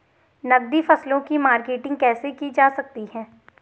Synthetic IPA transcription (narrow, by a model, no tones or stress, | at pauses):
nɐɡ̚d̪ifɐslõkimaːɾkeːʈɪ̃ŋɡ̚kɛːsekid͡ʒaːsɐk̚t̪iɦɛ̃ː